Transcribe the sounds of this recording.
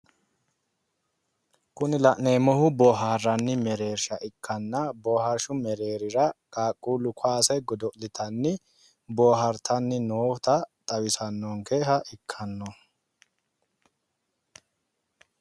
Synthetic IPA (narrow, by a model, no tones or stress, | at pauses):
kʊnɪlɐʔneːmɔhʊbɔːɦaːrːɐnːɪmɛɾe̞ːɾʃɐʔɪkʰːɐnːɐboːhɐɾʃʊmɛɾe̞ːɾɪɾɐkʼaːkʼːuːlʊkwaːsɛɡɔd̪ɔʔlɪt̪ʰɐnːɪ | boːɦɐɾt̪ʰɐnːɪnoːt̪ɐt̪ʼɐwɪsɐnːɔŋkeːɦɐʔɪkʰːɐnːɔ